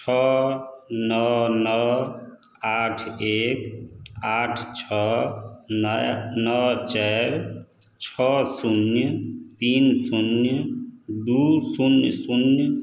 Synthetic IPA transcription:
t͡ʃʰɔ | nɔnɔ | aʈʰekaʈʰt͡ʃʰɔ | nnɔt͡ʃɛɾ | t͡ʃʰɔsunjət̪insunjəd̪usunjsunj

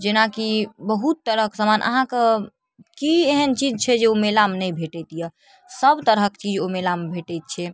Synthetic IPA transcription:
d͡ʒenakibəɦut̪ːəɾəksəmanʔə̰ɦãke | kieɦənt͡ʃid͡ʒt͡ʃʰɛd͡ʒeomelamnɛjbʱeʈɛt̪ijɛ | səbt̪əɾɦəkt͡ʃid͡ʒomelambʱeʈɛjt̪̚t͡ʃʰɛ

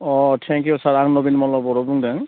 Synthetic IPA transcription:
ɔtʰɛŋkjusaɹaŋnobinmɔlɔbɔɹɔbuŋdaŋ

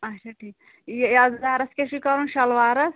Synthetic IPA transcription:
ɐt͡ʃʰaʈʰiːk | jjɐd͡zd̪aːɾɐskʲeʃikɐɾunʃɐlʋaːɾɐs

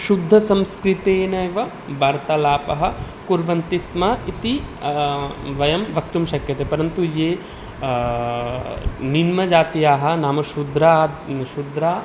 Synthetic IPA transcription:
ʃud̪ʱːɐsɐmskɾit̪eːnɐjʋɐ | bʱaːɾt̪ɐlaːpɐɦɐ̆ | kuɾʋɐnt̪ismɐit̪i | ʋɐjɐmʋɐk̚t̪umʃɐkjɐt̪eːpɐɾɐnt̪ujeː | ninmɐd͡ʒaːt̪ijaːɦɐ̆naːmɐʃud̪ʱɾaʃud̪ʱɾaː

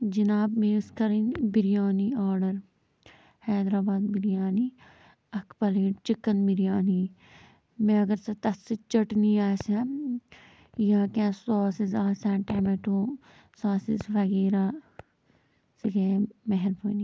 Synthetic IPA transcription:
d͡ʒinaːbmeːskɐɾinbiɾijaːniaːɾɖɐɾ | hɛːd̪ɾaːbaːd̪biɾijaːni | ɐkʰpɐleːʈt͡ʃikːɐnbiɾijaːni | mẽɐɡɐɾsɐt̪ɐsit͡ʃɐʈniaːsɛ | jakẽsɔːsizaːsãːʈɛːmeʈũː | saːsizʋɐɡeːɾaː | siɡeːmeɦɛɾbʰoːni

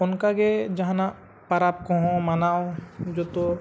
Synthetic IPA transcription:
ʊnkaɡed͡ʒɐɦãna | pɐɾab̚kõɦõmɐnaod͡ʒoːt̪o

